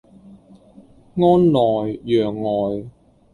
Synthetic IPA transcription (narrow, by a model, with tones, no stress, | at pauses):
ŋɔː˥nlɔː˨˩jjœː˨ŋlɔː˨˩j